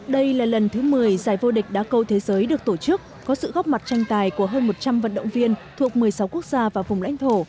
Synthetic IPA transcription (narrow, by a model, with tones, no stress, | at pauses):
ɗə˧jlaː˨˩lə˨˩nt̪ʰɨ˨˦mɨ˨˩əjzaː˧˩jvo˧ɗï˨˩k̟̚ɗa̰ː˧˥kə˧wt̪ʰe˨˦zəː˨˦jɗɨ˨˩ək̚t̪o˧˩t͡ɕɨ˦˥ək̚kɔ˨˦sɨ̰˧˨ɣɔ˦˥wk͡p̚ma˨˩t̚t͡ɕa˧jŋ̟t̪aː˨˩jku˧˩əɦəː˧nmo˨˩t̚t͡ɕa˧mvə̰˧˨nɗə̰˧˨wŋ͡mvi˧ənt̪ʰu˨˩ək̚mɨ˨˩əjsa˨˦wku˦˥ək̚z̥aː˧vaː˨˩vʊ˨˩ŋ͡mla̰˧˥jŋ̟t̪ʰo˧˩